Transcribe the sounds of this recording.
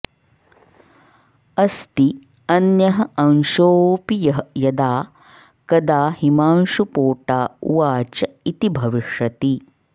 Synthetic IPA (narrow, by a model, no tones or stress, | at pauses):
ɐst̪i | ɐnjɐɦɐʔɐnʃoːpijɐɦjɐd̪aː | kɐd̪aːhimaːnʃupoːʈaːuʋaːt͡ʃɐit̪ibʱɐʋiʂɐt̪i